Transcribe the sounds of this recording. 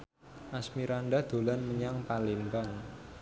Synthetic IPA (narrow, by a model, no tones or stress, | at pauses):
ʔasmiɾaɳɖad̪̥o̤lanməɲaŋpalimbaŋ